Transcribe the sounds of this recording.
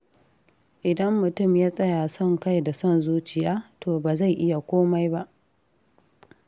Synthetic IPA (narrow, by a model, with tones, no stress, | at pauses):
ʔɪ˨dɐ˦mːʊ˨tʊ˦˨mjaː˦sʼɐ˦jaː˨sɔ˦˨ŋka˦jda˨sɔ˦˨nzuː˦t͡ʃɪ˨jaː˦tʰoː˨baː˨za˦˨jʔɪ˦ja˨kʷoː˦ma˦jba˦ʔ